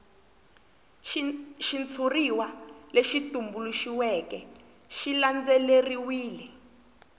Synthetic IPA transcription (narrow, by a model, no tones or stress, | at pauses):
ʃint͡sʰuriwaleʃitumbuluʃiwɛkɛ | ʃiland͡zɛleriwiːlɛ